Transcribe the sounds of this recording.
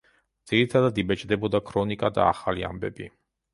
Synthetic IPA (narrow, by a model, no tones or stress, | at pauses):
d̪z̥iɾit̪ʰad̪ad̪ibɛt͡ʃʼd̪ɛbɔd̪akʰɾɔnikʼad̪a̰ːχalia̰mbɛbi